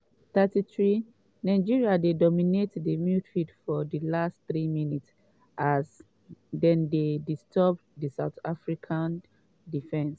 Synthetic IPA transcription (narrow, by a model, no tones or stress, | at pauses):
t̪atiθɹi | nãɪd͡ʒiɹiadedɔminetdimjutfitfɔdilasttɹiminits | ʔas | dɛ̃ndedistʰɔp̚disaʊt̪afɹikʰãn | difɛ̃ns